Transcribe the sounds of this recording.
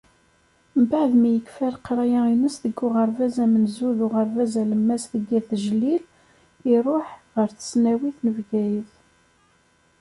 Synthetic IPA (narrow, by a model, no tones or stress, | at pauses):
mbaʕðmijəkfæɾqɾˤɑjæinəsðəɡːʊʁəɾˤvæzæmənzuðʊʁɑɾvæzæləmːæsθəɡːiθʒlːil | iɾˤoħʁəɾθə̥snæwiθnəvɡæjəθ